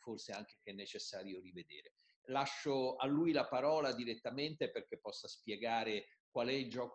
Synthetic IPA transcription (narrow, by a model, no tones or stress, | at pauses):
forseaŋk̟ekɛnːet͡ʃesːaːɾjorived̪eːɾe | laʃːoalːujlapaɾɔːlad̪iɾet̪ːament̪eperk̟epːɔsːaspjeɡaːɾe | kwalɛild͡ʒɔːk